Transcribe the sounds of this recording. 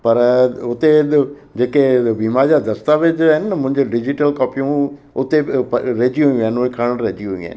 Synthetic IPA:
pɐɾʊt̪e | d͡ʑeːkebiːmaɾd͡ʑaːd̪ɐst̪aʋed͡ʑaːɦɪnɪmʊ̃ɦɪ̃ɲd͡ʑoɖɪd͡ʑɪʈəlkɔːpijũ | ʊt̪epɾeːd͡ʑjũaːɪnʊekʰɐɽ̃ə̃ɽ̃ɾeːd͡ʑjuũa̰ɦɪn

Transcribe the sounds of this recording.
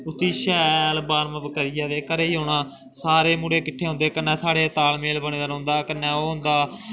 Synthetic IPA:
ʊt̪iːʃɛːlbaːɾməbəkəɾɪjaːd̪eːkəɾeːiːɦoːɽãː | saːɾeːmuːɽeːkɪʈʰeːɦʊ̃nd̪eːkənːɛ̃ːsaːɽeːt̪aːlmeːlbəɳ̃ẽːd̪aːɾõːnd̪aːkənːɛ̃ːoːɦʊ̃nd̪aː

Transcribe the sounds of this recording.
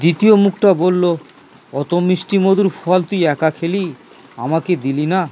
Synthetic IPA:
d̪it̪iomukʰʈabolːo | ɔt̪omiʃʈimod̪uɾfʰɔalt̪ujɛkakʰeli | a̰maked̪ilina

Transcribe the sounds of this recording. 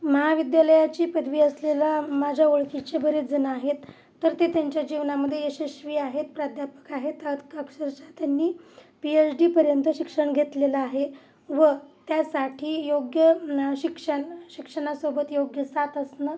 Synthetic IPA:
məɦaʋid̪jaləjat͡ɕiːpəd̪ʋiːəslelamad͡ʑʱjaoɭkit͡ɕebʱəɾed͡zənaɦet̪ː | əɾt̪et̪jaɲt͡ɕjad͡ʑiʋnaməd̪ʱːjeəɕeɕʋiːaɦet̪pɾad̪ʱjapə̥kaɦet̪ad̪ʱkakʂəɾt͡ɕat̪janːiː | piet͡sɖiːpəɾjənt̪əɕikʂəɳɡʱet̪leləaɦe | ʋət̪jasaʈʰiːjoɡjəɕikʂəɳɕikʂəɽ̃asobət̪joɡjəsat̪əsnə

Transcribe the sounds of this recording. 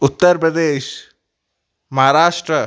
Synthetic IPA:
ut̪ːəɾpɾəd̪eːʃ | mɐɦaɾaːʂʈɾə

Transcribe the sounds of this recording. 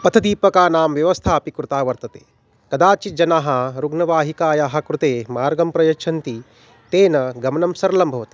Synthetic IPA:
pɐt̪ʰɐd̪iːpɐkaːnaːmʋjɐʋɐst̪ʰaːɐpikɾut̪aːʋɐɾt̪ɐt̪e̥̰ː | kɐd̪aːt͡ʃid͡ʒɐnaːɦɐɾuɡnɐʋaːɦikaːjaːɦɐ̆kɾut̪eːmaːɾɡɐmpɾɐjɐkt͡ʃʰɐnt̪i | t̪eːnɐɡɐmɐnɐmsɐɾlɐmbʱɐʋɐt̪i̥

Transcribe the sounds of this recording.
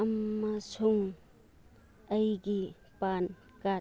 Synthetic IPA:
ɐmːasʰuŋ | əjɡi | pan | ka

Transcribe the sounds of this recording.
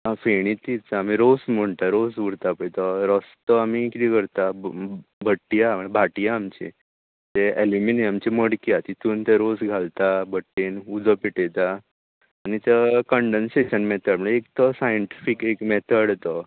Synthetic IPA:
ãfeɽ̃it̪it͡saamiɾosm̤əɳt̪aɾosʋuɽt̪apəjt̪əɾɔst̪əamikit̪ikəɾt̪a | bʱəʈːijaməbʱaʈijaːmt͡ɕḛ | t̪eeluminiəmt͡ɕeməɽkiat̪it̪uːnt̪aɾosɡʱalt̪abʱəʈːenud͡zəpiʈet̪aː | nit̪əkəɳɖənseɕənmɛt̪ʰəɽm̤əɳekt̪əsajəɳʈifikekmɛt̪ʰəɽt̪ə

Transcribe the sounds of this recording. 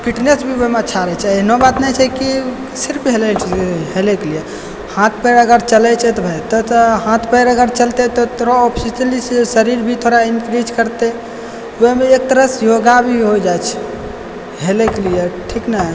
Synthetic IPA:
kiʈnesbʱiomeət͡ʃːʰaɾət͡ʃʰɛenobat̪nɛt͡ʃʰɛki | siɾpiɦelɛɦelɛkelie | hãt̪ʰpəɾəɡəɾt͡ʃəlɛt͡ʃʰɛt̪ɔbʱəjt̪ɔt̪ɔhãt̪ʰpəɾəɡəɾt͡ʃəlt̪et̪ɔt̪oɾɔɔpʰsiʈlisəɾiɾbʱit̪ʰoɾainkɾid͡ʒkəɾt̪e | ʋoɦmeek̚t̪əɾəsjoɡabʱiɦod͡ʒajt͡ʃʰɛ̥ | ɦelekelijeʈʰiknaɦ

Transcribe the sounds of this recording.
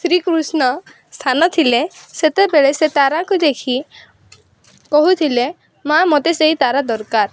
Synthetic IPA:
sɾikɾusnɔ | st̪ʰanɔt̪ʰileset̪ebeɭeset̪aɾakud̪ekʰi | kɔɦut̪ʰile | mamot̪eseit̪aɾad̪ɔɾkaɾ

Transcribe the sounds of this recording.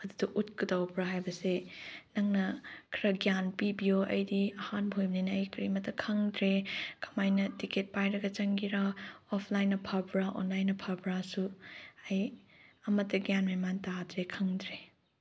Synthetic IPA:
ɐdudɐʔut̚kɯdawpɾaɦajbɐsenɐŋnɐkʰɾɐɡjanpibijoʔɐ̰jdiɐhanbʱojbninɐːjkɾimɐtːɐkʰɐŋdɾekɐ̥majnɐtiket̚pajɾɐɡɐt͡ʃɐŋɡiɾaɔpʰlajnɐpʰɐbɾaʔɔ̰nlajnːɐpʰɐbɾasuɐj | ɐmɐtːɐɡjanmɐjmantadɾekʰɐŋdɾe

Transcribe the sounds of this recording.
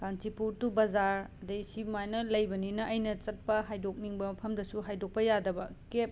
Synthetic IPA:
kantipuɾtubɐzaɾɐdɐjsibmajnɐlɐjbɐninɐʔɐjnɐt͡ʃɐt̚pɐɦajdok̚niŋbɐmɐpʰɐmdɐsuɦajdok̚pɐjadɐbɐkep̚

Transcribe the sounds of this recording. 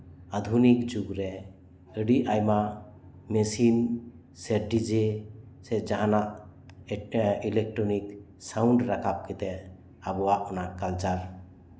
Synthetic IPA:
ad̪ʱunikd͡ʒuɡɾɛ | əɖiʔʔajma | mɛsin | sɛɾɖid͡ʒesɛd͡ʒaɦanaʔ | ilɛk̚ʈɾɔnik | sawɳɖɾakʰap̚kit̪ɛ | abɔwaʔɔnakalt͡ʃaɾ

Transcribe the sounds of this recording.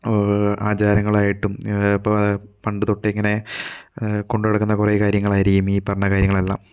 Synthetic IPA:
aːt͡ɕaːɾɐŋːɐɭaːjiʈːum | pɐɳɖɨt̪o̞ʈːɨeŋːɐne̞ | ko̞ɳɖueɽɐkːunːɐkureːkaːɾjɐŋːɐɭaːjiɾikʲːumiːpɐrɐɳɐkaːɾjɐŋːɐɭɐlːɐ̰m

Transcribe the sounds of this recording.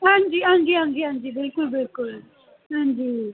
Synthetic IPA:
and͡ʒiand͡ʒiand͡ʒiand͡ʒibekubekul | and͡ʒi

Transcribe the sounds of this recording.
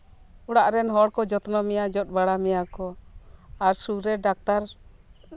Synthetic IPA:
uɽaʔɾɛnɦɔɽkɔd͡ʒɔt̪nɔmɛjad͡ʒɔt̪̚ˀbaɽamɛjakɔ | aɾsuɾɛɖak̚t̪aɾ

